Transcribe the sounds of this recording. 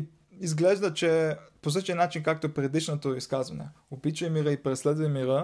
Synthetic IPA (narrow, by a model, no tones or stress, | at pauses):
izɡlɛʒd̪ət͡ʃɛpos̬ɤt͡ʃɛnat͡ʃinkak̚t̪opɾɛd̪iʃnot̪oiskazvɐnɛ̰ | opit͡ʃəjmiɾəipɾɛslɛd̪vɐjmiɾə